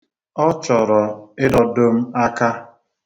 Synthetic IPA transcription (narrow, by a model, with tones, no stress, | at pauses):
ɔ˦t͡ʃɔ˨ɾɔ˨ɪ˦dɔ˨do˦m̩˦a˦ka˦